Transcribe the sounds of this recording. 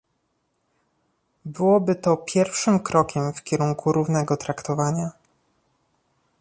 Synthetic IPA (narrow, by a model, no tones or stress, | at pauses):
bɘwɔbɘt̪ɔpʲjɛɾfʂɘmkɾɔkʲɛmfkʲɛɾuŋkʰuɾuvnɛɡɔt̪ɾakt̪ɔvaɲa